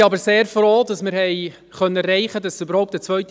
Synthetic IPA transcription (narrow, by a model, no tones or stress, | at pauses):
ɑbəɾseːɾfɾɔːd̥ɑsmɪɾhɛɪ | χœnərɾɛɪχədɑsybəɾhɔʊp̚tət͡sʋœɥt